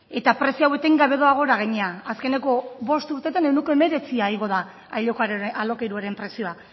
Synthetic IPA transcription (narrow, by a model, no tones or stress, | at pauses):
e̞t̪apɾe̞sioawe̞t̪eŋɡaβe̞ðo̞aɣ̞o̞ɾaɣaɲeaaske̞ne̞ko̞βo̞st̪uɾt̪e̞t̪ane̞wneko̞e̞me̞ɾe̞t͡siaiɣo̞ð̞a | aʎokaɾalo̞kejɾuaɾe̞mpɾe̞sio̞a